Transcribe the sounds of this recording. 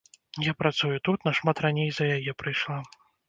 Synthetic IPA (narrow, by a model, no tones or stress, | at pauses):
japɾat̪sujut̪ut̪nɐʂmat̪ranʲejzɐjajɛpɾɨjʂlˠa